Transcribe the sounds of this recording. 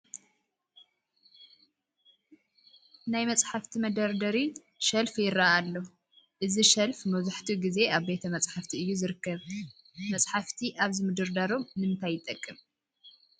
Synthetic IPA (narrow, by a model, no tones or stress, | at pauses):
najmɐt͡sʼħaft̪ʰimɐd̪ɐɾd̪ɐɾi | ʃɐlfjɪɾːaʔalːo | ʔɨziʃɐlfmɐzuħt̪ʰiɡize̞aβbe̞t̪ʰɐmɐt͡sʼħaft̪ʰiʔɨjːuzɨɾɨkːɐβ | mɐt͡sʼħaft̪ʰiʔaβzimɨd̪ɨɾd̪aɾo̞mnɨɨnt̪ʰajːɪt̪ʼːɐkʼːɨm